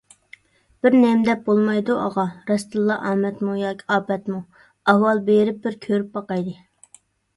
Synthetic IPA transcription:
b̥ɪɾnɛmd̪ɛp̚bolˠmɑjd̪uɑ̰ʁɑɾɛst̪ɨlˠːɑʔɑːmɛt̪mujɑːkʰʲi̥ɑːpɛt̪mu | ɑɦwɑlˠbeɾɪp̚bɪɾkʲʰøɾyp̚bɑqɑjd̪ɨ

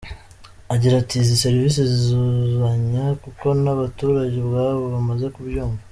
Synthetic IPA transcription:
aɟiɾatizise̞ɾvisezizuzaɲakuko̞naβatuːɾaɟeβɣaːβoβamaze̞kubjoːŋɡo

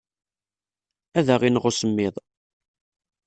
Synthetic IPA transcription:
æðæʁinʁʊsəmːɪðˤ

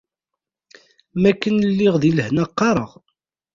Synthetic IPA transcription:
mækːənəlːɪʁðiləhnæqːɑɾˤəʁ

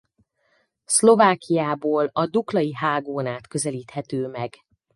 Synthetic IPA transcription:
slo̞vaːkijaːboːlɒd̪uklɒjiɦaːɡoːnaːt̪kø̞zɛliːt̪hɛt̪øːmɛɡ̥

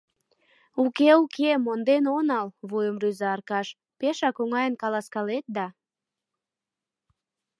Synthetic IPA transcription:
ukeukʰemond̪enonɑlβujəmryzɑːrkɑʃ | peʃɑkoŋɑjənkɑlɑskɑlet̪̚d̪ɑ

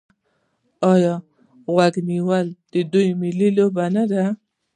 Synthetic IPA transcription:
ɑjɑ | ɣwaɡniwəld̪̥əd̪ujmɪlilobanad̪a

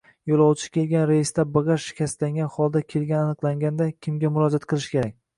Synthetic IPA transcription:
jolˠɒwt͡ʃʰɪ̥kʲe̞lɡʲanɾejɪst̪abɨʁɑʃɪ̥kʲʰast̪laŋɡʲanχɒlˠd̪akʲʰe̞lɡʲananɨqlˠaŋɡʲand̪akʲʰɪmɡʲamʊɾɒd͡ʒat̪qʰɨlˠɪʃkʲe̞ɾak̚ʲ

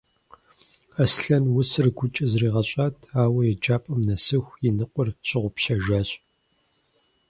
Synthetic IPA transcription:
ɐsɬɐnwʊsɨrɡʷʊt͡ʃʼɐzriːʁɐɕʼaːtʰaːwɐjɛd͡ʒaːpʼɐmnɐsɨxʷjɪnɨqʷʼɔrɕʼɪʁʷʊpʃɐʒaːɕʼ

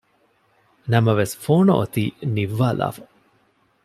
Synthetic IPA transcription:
nɐmɐʋesfoːno̰ʔot̪iːniʋːaːla̰ːfɐ̥

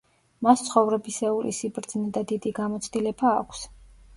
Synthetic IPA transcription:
mast̪sʰχɔvɾɛbisɛulḭsibɾd̪znɛd̪ad̪id̪iɡamɔt̪sʰd̪ilɛba̰ːkʷʰs

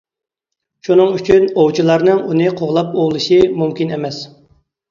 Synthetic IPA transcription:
ʃunɨŋyt͡ʃʰynowt͡ʃʰilˠɑɾnɨŋunɨqʰoʁlˠɑp̚olˠɨʃimumkʲinemɛs

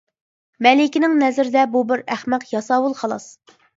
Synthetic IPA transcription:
mɛlɪkʲinɪŋnɛzɾɪd̪ɛbubɪɾæχmɛqjɑsɑːwulˠχɑlˠɑ̰s

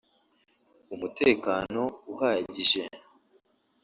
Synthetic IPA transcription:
umute̞ːkaːno̞uhaːɟiʒe̞

